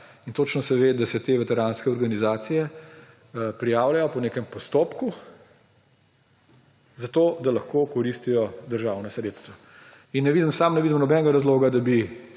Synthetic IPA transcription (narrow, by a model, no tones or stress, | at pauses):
int̪ot͡ʃnɔsɛʋeːd̪asɛt̪eːʋɛt̪ɛɾaːnskɛɔɾɡanizaːt̪sijɛ | pɾijaːwlajɔpɔneːkɛmpɔst̪oːpku | zat̪oːd̪alɐxkoːkɔɾist̪ijɔd̪əɾʒaːwnɔsɾeːt̪st̪ʋa | inːɛʋiːd̪əmsaːmnɛʋid̪əmnɔbɛnɛɡaɾazloːɡad̪abi